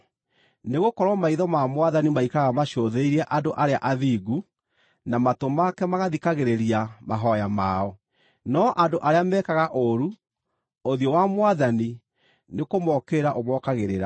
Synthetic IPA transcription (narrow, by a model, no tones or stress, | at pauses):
neɣokɔɾwɔmaiðɔmamwaðanimaikaɣamaʃoðeiɾɛʔadoʔaɾeaʔaðiɡu | namatomakɛmaɣaðikaɣeɾeɾiamaɦɔjamaɔ | nɔʔadoʔaɾeamɛːkaɣaʔoɾu | oðjɔwamwaðani | nekomɔkeɾaʔomɔkaɣeɾeɾa